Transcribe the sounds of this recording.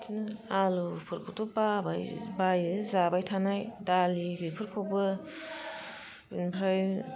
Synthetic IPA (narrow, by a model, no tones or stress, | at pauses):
tʰinalupʰɯɾkʰowtʰobabajbajɯzabajtʰanajdalibipʰɯɾkʰowbɯ | bḭnpʰɾaj